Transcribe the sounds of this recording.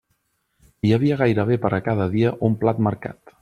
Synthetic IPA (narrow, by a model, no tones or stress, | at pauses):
jəβ̞iəɣ̞ajɾəβepəɾʔəkaðəðiəʔumplat̪məɾka̰t̪